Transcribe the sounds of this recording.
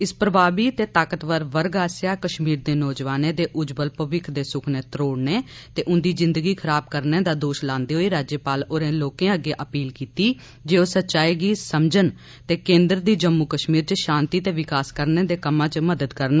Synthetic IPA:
ɪspɾəbaːbiːt̪eːt̪aːkət̪ʋəɾʋəɾɡaːsjaːkəʃmiːɾd̪eːnɔːd͡ʒʋaːnẽːd̪eːʔʊd͡ʒbəlpəʋɪkʰd̪eːsʊkʰneːt̪ɾoːɽneːt̪eːʔʊnd̪iːzɪ̃nd̪əɡiːkʰəɾaːb̚kəɾneːd̪aːd̪oːʃlãːnd̪iːɦoːiːɾaːd͡ʒjəpaːloːɾẽːloːkẽãːəɡeːʔəpiːlkiːt̪iː | d͡ʒeːoːsətːʃaːiːɡiːsəmd͡ʒən | t̪eːkẽːnd̪ɾd̪iːd͡ʒəmːukəʃmiːɾt͡ʃəʃãːnt̪iːt̪eːʋɪkaːskəɾneːd̪eːkəmãːt͡ʃməd̪əd̪kəɾnaː

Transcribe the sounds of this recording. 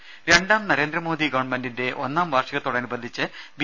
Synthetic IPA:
ɾe̞ɳɖaːmnɐɾe̞ːnd̪rɐmo̞ːd̪iɡɐʋɐɳɖmendinde̞ʔo̞nːaːmʋɐrʂɐɣɐt̪oɽɐɐnubɐnd̪ʱit͡ɕːɨb

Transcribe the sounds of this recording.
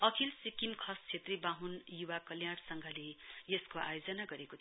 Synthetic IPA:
ʌkʰilsikimkʰʌst͡sʰet̪ribaɦunjuwakʌljaɽsʌŋɡʱʌlejeskoa̰jod͡zʌnaɡʌɾekot̪ʰ

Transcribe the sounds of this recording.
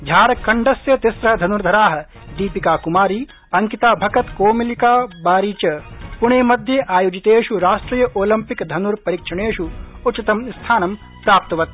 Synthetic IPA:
d̪ʱjaːɾɐkːɐɳɖɐsjet̪isɾɐɦɐd̪ʱɐnuɾd̪ʱɐɾaːɦɐ̆ | d̪iːpikaːkumaːɾiː | ɐŋkit̪aːbʱɐkɐt̪koːmilikaːbaːɾiːt͡ʃɐpuɳ̃eːmɐd̪ʱjeʔaːjoːd͡ʒit̪eːʃuɾaːʂʈɾiːjɐʔoːlɐmpikd̪ʱɐnuɾpɐɾikʂɐɳ̃eːʃuut͡ʃːɐt̪ɐmst̪ʰaːnɐm | pɾaːp̚t̪ɐʋɐt̪̚

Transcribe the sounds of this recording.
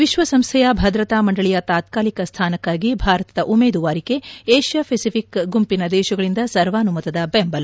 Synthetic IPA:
ʋiʃʋɐsɐmst̪ʰɛjɐbʱɐd̪ɾɐt̪aːmɐɳɖɐɭijɐt̪aːt̪kaːlikɐst̪ʰaːnɐkːaːɡibʱaːɾɐt̪ɐd̪ɐʔumeːd̪uʋaːɾike̞eːʃjɐpʰesipʰikɡumpinɐd̪ɛːʃɐɡɐɭind̪ɐsɐɾʋaːnumɐt̪ɐd̪ɐbembɐlɐ

